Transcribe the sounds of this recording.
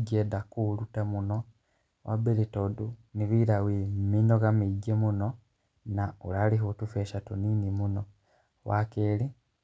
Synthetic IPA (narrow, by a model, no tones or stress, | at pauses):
ɟedakulutamuno | wʔa̰belitoduniβiɾawiminoɣamiɟemuno | naṵlaliɦutufeʃatuniːnimuno | wakeli